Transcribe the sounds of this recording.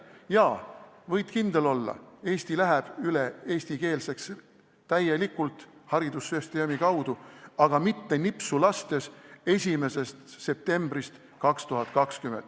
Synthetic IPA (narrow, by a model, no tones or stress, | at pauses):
jɑː | vɤjd̪̥kind̪̥e̞lo̞lːɑ̰e̞ːst̪ilæɦæb̥yleeːsʲt̪ike̞ːlse̞ks | t̪æjːelikːˑult̪ˑhɑɾid̪̥usːest̪eomikɑwd̪̥uɑɡ̥ɑmit̪ːe̞nipsulɑst̪e̞se̞sʲime̞se̞st̪se̞p̚t̪e̞mb̥ɾist̪ | kɑkst̪uɦɑt̪̚kɑkskyment̪ːˑ